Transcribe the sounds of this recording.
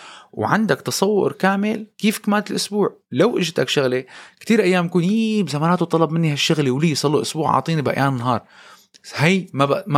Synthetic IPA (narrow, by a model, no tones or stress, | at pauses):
wʕand̪akt̪ɑsˤɑwːʊ̰ɾkaːmɪlkiːfkamaːnt̪ɪlʔʊsbuːʕlawʔɪʒt̪akʃaɣlekt̪iːɾʔajːaːmjkuːnjibzamaːnaːt̪ut̪ˤɑlɑb̚mɪnːihaʃːaɣlewliːjsˤɑlːiʔʊsbuːʕɑ̰ʕt̪ˤiːnibʔa̰ʔjaːnɪnːɦɑːɾˤ | hajmaam